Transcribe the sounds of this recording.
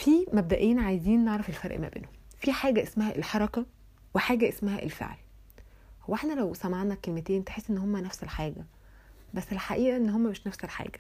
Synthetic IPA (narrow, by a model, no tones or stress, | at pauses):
fiːmæb̚d̪æʔeːnʕajziːnːeʕɾˤɑfelfæɾˤʔmæ̰bḛːnhom | fiħaːɡæʔesmæhæʔelħɑɾˤɑkæ | weħaːɡæʔesmæhæ̰ʔḛlfḛʕl | howːeħnælæwsæmaʕnækelmet̪eːʔent̪eħesːʔenːhomːænæfsælħaːɡæ | bæsːelħaʔiːʔæʔenːhomːæmeʃnæfsælħa̰ːɡ̥æ̥